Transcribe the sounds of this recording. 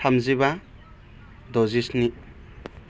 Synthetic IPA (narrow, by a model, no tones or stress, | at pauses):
amziba | dɔzisni